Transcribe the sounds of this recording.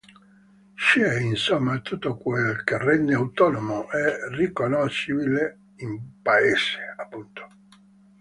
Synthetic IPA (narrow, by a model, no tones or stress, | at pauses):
ʃɛinsomːat̪ut̪ːokwelkerɛnd̪eawt̪ɔnomoʔɛrikonoʃibile | impaeːse̥apːunt̪o̥